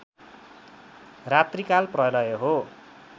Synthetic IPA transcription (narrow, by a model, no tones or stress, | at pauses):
rat̪rikalprʌlʌjoɦo